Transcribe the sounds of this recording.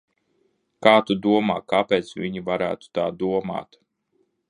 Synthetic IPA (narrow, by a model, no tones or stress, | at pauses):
kaːt̪ud̪uɔma̰ːkapeːt̪svʲiɲivaɾæ̰ːt̪u̥t̪aːd̪uɔma̰ːt̪